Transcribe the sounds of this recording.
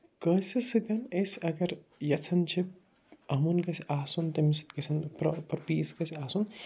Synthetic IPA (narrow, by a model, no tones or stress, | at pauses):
kɐːsʲisɨd̪ʲɐnɐsɐɡɐɾ | jɐt͡sʰɐnt͡ʃʰi | ɐmunkɐsiʔaːsunt̪ɐmisi̥kɐsʰɐnppɐɾpiːskɐsʰiaːsun